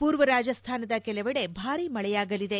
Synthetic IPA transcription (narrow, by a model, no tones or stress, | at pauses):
puːɾʋɐɾaːd͡ʒɐst̪ʰaːnɐd̪ɐkɛlɐʋɐɽe̞bʱaːɾimɐɭɛjaːɡɐlid̪e̞